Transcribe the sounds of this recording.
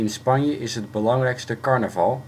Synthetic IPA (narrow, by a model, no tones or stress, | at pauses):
ɪnspɑnjəʔɪsɦəd̚bəlɑŋrɛjkstəkɑɹnəvɑlˠ